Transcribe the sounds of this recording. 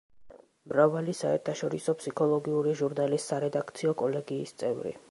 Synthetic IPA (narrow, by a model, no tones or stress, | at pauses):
mɾavalisaɛ̰ɾt̪ʰaʃɔɾisɔpʰsikʰɔlˠɔɡiuɾiʒuɾnalisːaɾɛd̪akʰt̪sʰiɔkʼɔlɛɡiːst̪sʼɛvɾḭ